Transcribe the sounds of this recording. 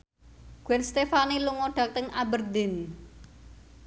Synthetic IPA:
ɡ̥wɛnst̪efaniluŋɔɖ̥a̤k̚t̪əŋabərd̪ɪn

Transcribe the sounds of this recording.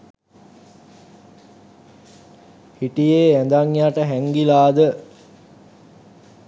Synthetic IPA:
hiʈijeːænd̪aŋjaʈəɦæŋɡilaːd̪ə

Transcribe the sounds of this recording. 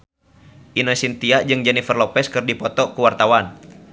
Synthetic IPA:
ʔinəsint̪iaʔd͡ʒɨŋd͡ʒɛnifərlɔpɛskɨrdipɔt̪ɔkuwart̪awan

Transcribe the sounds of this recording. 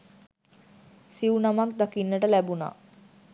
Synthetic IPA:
siwunamakd̪akinːəʈəlæbuna̰ː

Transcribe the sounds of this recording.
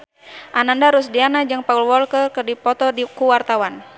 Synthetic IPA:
ʔanandaɾusdianad͡ʒaŋpaulwɔlkərkɨrdipɔt̪ɔdikuwart̪awan

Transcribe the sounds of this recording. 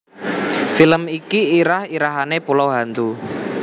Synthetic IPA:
filəmikiːɾahiɾaɦanepuloɦant̪u

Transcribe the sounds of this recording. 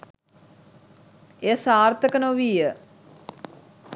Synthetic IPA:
esaːrt̪əkənoʋiːjə

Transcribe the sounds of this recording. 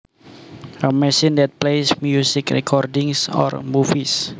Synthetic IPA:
əmɛsindɛt̪̚plejsmjusɪkrɛ̰kʰɔrdɪŋsɔ̰rmufis

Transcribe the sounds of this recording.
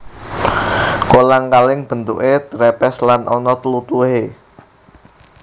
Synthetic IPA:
kolaŋkalɪŋb̥ə̤nt̪ṵʔet̪ɾɛpɛslanʔɔnɔt̪əlut̪uɦe

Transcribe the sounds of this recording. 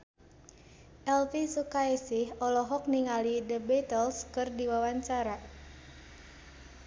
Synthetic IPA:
ʔɛlfisukaisɪhɔlɔɦɔk̚niŋalidəbɛt̪əlskɨrdiwawaɲt͡ʃaɾa

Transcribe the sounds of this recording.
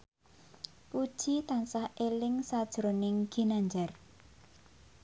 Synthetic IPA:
pud̥ʒ̥it̪ansahʔelɪŋsad̥ʒ̥ɾonɪŋɡ̥i̤naɲd͡ʒar

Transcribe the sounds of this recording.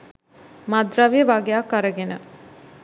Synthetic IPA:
mad̪ɾaʋijəʋaɡejakːaɾəɡenə

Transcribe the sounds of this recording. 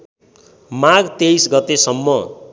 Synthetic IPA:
maɡt̪ejsɡʌt̪esʌmːʌ

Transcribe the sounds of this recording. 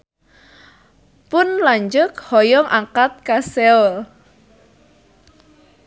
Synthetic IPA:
pʊnlaɲd͡ʒʊkhɔjɔŋʔaŋkat̪̚kasɛɔl

